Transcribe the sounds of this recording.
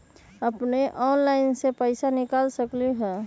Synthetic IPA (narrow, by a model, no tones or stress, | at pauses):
ɐpneʔɔːnlaːɪnsepəɪsanɪkaːlsəkliɦɛː